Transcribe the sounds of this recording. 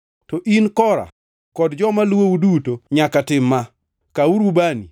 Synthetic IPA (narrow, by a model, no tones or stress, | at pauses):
tɔʔinkɔɾa̰ | kɔdd͡ʒɔmalwoudutoɲakatɪmːa | kauɾubani